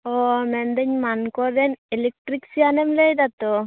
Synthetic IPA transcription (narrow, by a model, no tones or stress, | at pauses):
ɔmɛnd̪əɲmankɔɾd̪ɛnɛlɛk̚ʈɾiksianɛmlɛjd̪at̪ɔ